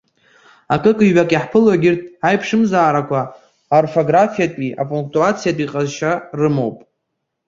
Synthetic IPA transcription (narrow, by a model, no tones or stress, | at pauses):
akʼɨkʼɨɥakʼiħpʰɨlwaɡʲɪrtʼajpʰʂɨmzaːɾakʷʰa | orfo̞ɡrafijatʼiʔa̰pʼuŋk̚ʰʼtʼuat͡sʰijatʼiqʼazʃarɨmo̞wpʼ